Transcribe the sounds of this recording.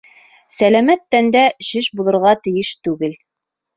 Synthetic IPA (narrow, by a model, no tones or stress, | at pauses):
sælæmæt̪ːænd̪æʃɘʃbulˠɤ̆ɾʁɑt̪ɘ̆jɘʃt̪ʉɡɘl